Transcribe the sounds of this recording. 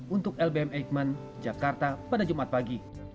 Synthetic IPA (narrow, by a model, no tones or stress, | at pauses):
unt̪ʊkɛlbeɛmɛk̚man | d͡ʒakart̪apadad͡ʒumat̪̚paɡi